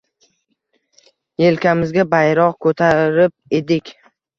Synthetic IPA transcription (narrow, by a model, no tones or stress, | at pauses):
jelkʲamɪzɡʲabajɾɒqkʰɵt̪ʰaɾɪp̚ed̪ɪkʲ